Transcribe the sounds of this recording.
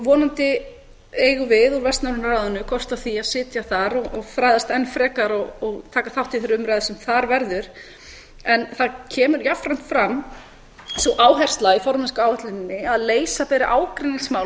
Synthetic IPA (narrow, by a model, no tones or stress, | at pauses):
vɔːnant̪ɪ | eːjɣʏvɪðɔɾvɛst̪naɾʏnɾaːðʏnʏkʰɔst̪aθiaðsɪːt̪jaθaɾɔɔɣfɾaːjðast̪ɛnfɾɛːkaɾɔɣɔɣt̪ʰaːkaθawht̪ːɪθɛɾʏʏmɾajðɪsɛmθaɾvɛɾðʏɾ̥ | ɛnθaðcʰɛːmʏɾjafɾajm̥t̪fɾam | sɔʔaːwɦɛr̥st̪laɣifɔɾmɛnskaːwhɛht̪lɪnɪnːɪaðleːjsapɛːɾɪʔaːwkɾeniŋsmaːw